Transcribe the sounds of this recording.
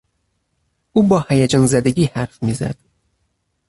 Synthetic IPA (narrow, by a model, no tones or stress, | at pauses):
ʔuːbɒːhæjæd͡ʒɒːnzæd̪eɟʲiːhæɾfmizæ̰d̪̥